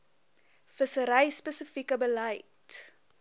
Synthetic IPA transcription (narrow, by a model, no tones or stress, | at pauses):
fəsəɾɐjspəsəfikəbəlɐjt